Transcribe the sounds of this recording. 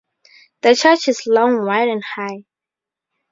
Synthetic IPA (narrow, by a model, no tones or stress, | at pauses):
ðət͡ʃʰɜt͡ʃɪslɔ̃ŋwaɪɾɛ̃nhaɪ